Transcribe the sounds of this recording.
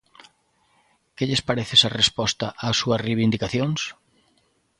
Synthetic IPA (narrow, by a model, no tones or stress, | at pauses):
keʎɪspaɾeθesarespɔst̪ɐʔaːsuɐsriβind̪ikaθjoŋs